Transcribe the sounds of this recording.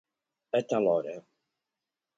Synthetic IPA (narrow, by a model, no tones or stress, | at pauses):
ət̪alɔɾə